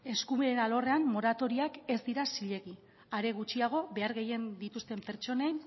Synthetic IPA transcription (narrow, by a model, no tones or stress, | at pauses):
e̞skumeɾenalo̞re̞amːo̞ɾat̪o̞ɾiake̞zd̪iɾasiʎe̞ɣi | aɾe̞ɣ̞ut͡ʃiaɣ̞o̞βe̞aɾɣe̞je̞nd̪it̪ust̪e̞mpe̞ɾt͡ʃo̞nen